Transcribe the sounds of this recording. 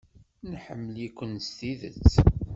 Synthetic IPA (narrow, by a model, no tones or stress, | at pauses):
nħəmːəlikʷːənst̪iðə̰t͡sː